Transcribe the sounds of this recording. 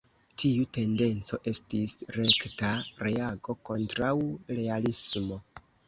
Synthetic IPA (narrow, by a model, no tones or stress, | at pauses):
tiute̞nde̞nt͡so̞ʔe̞stisɾe̞ktaɾe̞aɡo̞ko̞ntɾawɾe̞alismo̞